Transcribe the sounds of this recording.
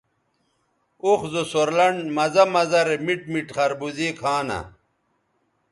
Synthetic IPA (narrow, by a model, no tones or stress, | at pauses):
uxzosoɾlɐɳmɐzɐmɐzɐɾemiʈ̚miʈχɐɾbuziːkʰaːnɐ̰